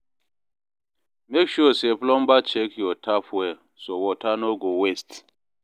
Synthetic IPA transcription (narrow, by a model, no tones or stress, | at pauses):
mekʃuɔseplɔ̃mbat͡ʃɛkjɔtʰafwɛ | sowɔtʰanoɡowest